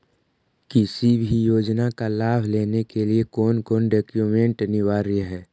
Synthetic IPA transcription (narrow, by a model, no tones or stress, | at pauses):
kɪsibʱijoːd͡ʒnakalaːbʱleːnekeliekɔːnkoːnɖeːkjumẽɳʈnɪʋaːɾiɦɛː